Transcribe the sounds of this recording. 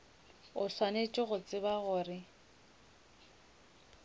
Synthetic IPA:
ʊswanet͡ʃʼɪɣʊt͡sʼɪbaɣʊrɪ

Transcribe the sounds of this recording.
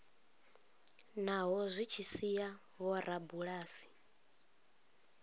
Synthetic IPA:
naɦɔzʷit͡ʃʰisija | βɔɾabuɺaːsi̥

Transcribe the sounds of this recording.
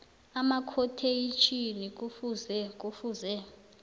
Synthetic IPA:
amakʰɔtʰejit͡ʃʰʼinik̬ufuzɛk̬ʼufuzɛ

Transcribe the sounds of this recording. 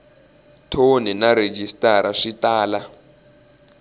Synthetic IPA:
tʰoninaɾed͡ʒistʼaɾaʂitaːla

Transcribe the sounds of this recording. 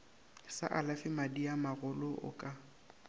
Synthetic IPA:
sa̰ʔalafɪmadiamaɣʊlʊʔʊ̰kʼa

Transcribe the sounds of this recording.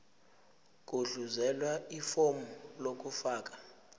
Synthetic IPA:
k̬ʼuɮuzɛlwaifomulok̬ʼufaːk̬ʼḁ

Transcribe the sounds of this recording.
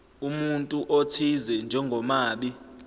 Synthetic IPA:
umuntʼuʔotʰizɛnd͡ʒʱɛŋɡʱɔmaːɓi

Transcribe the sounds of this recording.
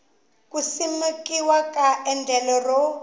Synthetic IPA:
kusimekiwakaʔɛnd͡ɮʱɛlɔrɔ

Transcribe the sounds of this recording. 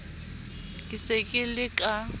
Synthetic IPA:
kʼɪsekʼɪlɪkʼa

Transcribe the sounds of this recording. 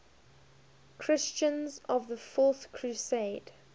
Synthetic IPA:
kʰɹ̥ɪst͡ʃə̃nzɔvðəfɔˑθkʰɹ̥useɪd̥

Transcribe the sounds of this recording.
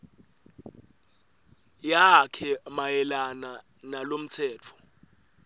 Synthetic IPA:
jakʰɛmajɛlana | nalom̩tʰɛːt͡fʰɔ̥

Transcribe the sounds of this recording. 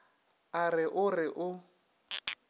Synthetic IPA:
arɪʔʊrɪʔʊ

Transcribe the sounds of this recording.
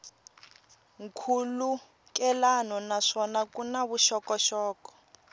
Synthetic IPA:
ŋkʰulu | kɛlanɔnaʂɔnakunaβuʃɔkɔʃɔːkɔ̥

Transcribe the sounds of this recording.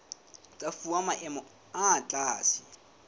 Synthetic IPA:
t͡sʼafuamaʔɛmɔ | at͡ɬʼaːsi

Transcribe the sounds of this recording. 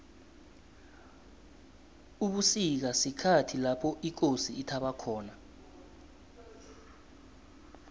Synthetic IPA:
uɓusik̬asikʰatʰilapʰɔʔik̬osiːtʰaɓakʰɔːna

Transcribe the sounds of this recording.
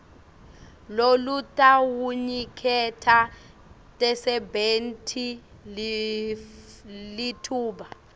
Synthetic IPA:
lolutʼawuɲikʰɛtʰa | tʼɛsɛbentʰi | litʰuːɓa

